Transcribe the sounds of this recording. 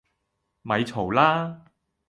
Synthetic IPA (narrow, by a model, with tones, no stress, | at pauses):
mɐ˨˧jt͡sʰo˨˩wlaː˥